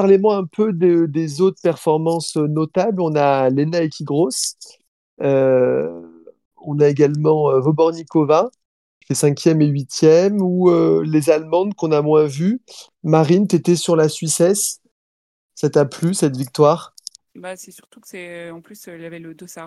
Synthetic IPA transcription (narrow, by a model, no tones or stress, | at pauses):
paʁlemwaɛ̃pʰød̪ed̪ezot̪χəpɛʁfɔʁmɑ̃sønɔt̪ablɔ̃nalenaekʲiɡʁos | ø | ɔ̃naeɡalmɑ̃øvobɔʁnikɔva | t̪esɛ̃kʲjɛmeɥit̪jɛmuølezalmɑ̃d̪kɔ̃namwɛ̃vy | maʁint̪yet̪ɛsyʁlasɥisɛs | sat̪aplysɛt̪vik̚t̪waːʁ | basɛsyʁt̪u̥kə̥sɛɑ̃plyslavɛləd̪osa